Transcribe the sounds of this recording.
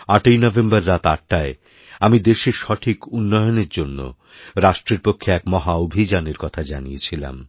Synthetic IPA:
aʈojnɔbembaɾːat̪aʈ̚ːae | amid̪eʃeʃɔʈʰikunːɔjoneɾd͡ʑonːo̰ | ɾaʃʈɾeɾpokʰːeɛkmɔɦaobʱid͡ʑaneɾkɔt̪ʰad͡ʑanijet͡ɕʰila̰m

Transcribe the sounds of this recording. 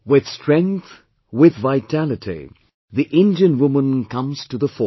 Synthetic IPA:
wɪð̥stɹ̥ɛ̃ŋkθ | wɪðvaɪtʰælɨtʰḭ | ðiʔɪ̃nd͡ʒɨ̃nwʊmə̃nkʰʌ̃mz̥tɨðəfɔ

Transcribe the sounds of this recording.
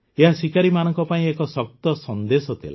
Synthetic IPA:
eɦasikaɾimanɔŋkɔpaĩekɔsɔk̚t̪ɔsɔnd̪esɔt̪ʰḭla̰

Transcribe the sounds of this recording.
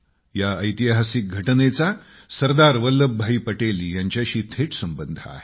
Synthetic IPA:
jaəjt̪iɦasik̚ɡʱəʈnet͡sa | səɾd̪aɾʋəlːəbʱːaiːpəʈeljaɲt͡ɕjaɕiːt̪ʰeʈsəmbənd̪ʱəa̰ɦe

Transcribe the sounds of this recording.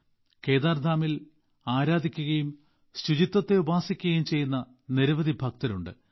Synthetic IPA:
keːðaːrd̪ʱaːmil | aːɾaːd̪ʱikʲːuɣɐjum | sɾud͡ʑit̪ːɐt̪ːe̞ubaːsikʲːuɣɐjumt͡ɕe̞jːunːɐ | niɾɐʋɐd̪ibʱɐk̚t̪ɐluɳɖɨ̰

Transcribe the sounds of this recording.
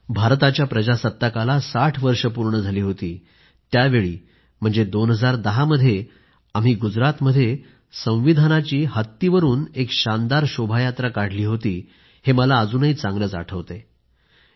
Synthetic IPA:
bʱaɾt̪at͡ɕjapɾəd͡ʑasət̪ːəkalasaʈʰʋəɾʂəp̬uɾɳəd͡zʱaliːɦot̪iː | t̪jaʋeɭḭː | m̤əɳd͡zed̪onɦəd͡zaɾd̪əɦaməd̪ʱːje | am̤iːɡud͡zɾat̪məd̪ʱːje | sə̃w̃ʋid̪ʱanat͡ɕiːɦət̪ːiʋəɾuːnekɕand̪aɾɕobʱajat̪ɾakaɽ̤liːɦot̪iː | heməlaəd͡zuːnəɦiːt͡sãŋɡɾət͡sa̰ʈʰəʋt̪e

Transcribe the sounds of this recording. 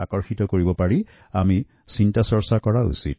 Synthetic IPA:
a̰kɔɹxitɔkoɹibɔpaɹi | ami | sintasɔɹsakɔɹaṵsḭt

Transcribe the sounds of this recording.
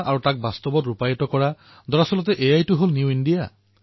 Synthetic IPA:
ʔaɹutak̚bast̪ɔbɔtɹupajɔtɔkɔɹa | d̪ɔɹasɔlɔt̪ɛʔejajtuɦolnjuinɖija

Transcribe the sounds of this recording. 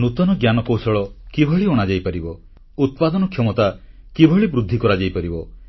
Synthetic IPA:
nut̪ɔnɔɡjanɔkowsɔɭɔkibʱɔɭiɔɽ̃ad͡ʒajpaɾibɔ | ut̪̚pad̪ɔnɔkʰjɔmɔt̪a | kibʱɔɭibɾud̪ʱːikɔɾad͡ʒajpaɾibɔ

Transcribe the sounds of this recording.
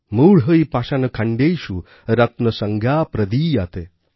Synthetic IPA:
muɽɦəipaːʃanəkʰãɳɖejʃu | ɾɐt̪nəsəŋɡʱjaːpɾɐd̪iːjat̪e

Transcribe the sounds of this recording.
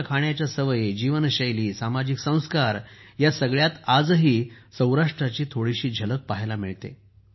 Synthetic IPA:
kʰaɳjat͡ɕjasəʋəjed͡ʑiʋənəɕəjliːsamad͡ʑiksə̃w̃skaɾjasəɡɭjat̪ad͡zɦiːsə̃w̃ɾaʂʈɾat͡ɕiːt̪ʰoɽiɕiːd͡ʑʱələk̚paɦelamiɭt̪ḛ

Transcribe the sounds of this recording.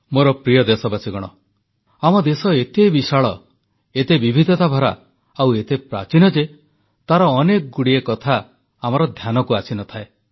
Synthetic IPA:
moɾɔpɾijɔd̪esɔbasiɡɔɽ̃ɔ | amɔd̪esɔet̪ebisaɭɔ | et̪ebibʱid̪ʱɔt̪abʱɔɾa̰ | awet̪epɾa̰t͡ʃinɔd͡ʒe | t̪aɾɔːnekɔɡuɽiekɔt̪ʰaː | mɔɾɔd̪ʱjanɔkuasinɔt̪ʰae

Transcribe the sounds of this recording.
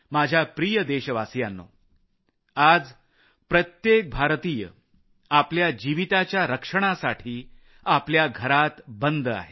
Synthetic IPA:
mad͡ʑʱjapɾijəd̪eɕəʋasjanːo̰ | ad͡z | pɾət̪jek̚bʱaɾt̪iːjə̰ | apljad͡ʑiʋit̪at͡ɕjaɾəkʂəɽ̃asaʈʰiː | apljaɡʱəɾat̪bənd̪a̰ɦe

